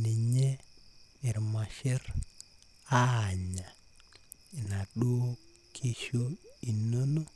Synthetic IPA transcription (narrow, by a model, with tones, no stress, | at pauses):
ni˨ɲe˦ɪ˨ɾma˨ʃɪ˦r | aː˦˨ɲa˨ | ɪ˨na˨ɗo˦ | kʰe˦ʃo˦i˨no˦no˦